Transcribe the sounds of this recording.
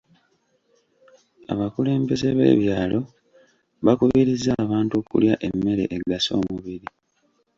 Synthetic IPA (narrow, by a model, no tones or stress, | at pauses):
a̰βakule̞ːmbe̞ze̞βe̞̰ːβjaːlo̞ | βakuβiɾizːaːβaːntokṵljaʔe̞mːe̞ɾe̞̰ʔeɡaso̞̰ːmuβiɾi